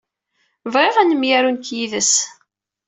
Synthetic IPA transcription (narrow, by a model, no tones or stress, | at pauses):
vʁeʁænəmjæɾunkjiðəs